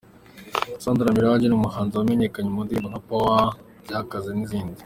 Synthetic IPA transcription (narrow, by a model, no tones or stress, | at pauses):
saːnduɾamiɾawaːɲd͡ʒenumuɦaːnzawameɲekaɲemundimbunapawa | ɟakazeniziːndi